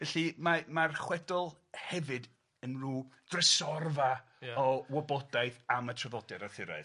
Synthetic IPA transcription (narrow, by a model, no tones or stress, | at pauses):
vɛɬimamarχwɛdɔlˠ | hɛvɨd | ənruːd̥rɛsɔrva | ɔwɔbɔdajθamətʰrəvɔdɛɾaθɪɾa̰ɨ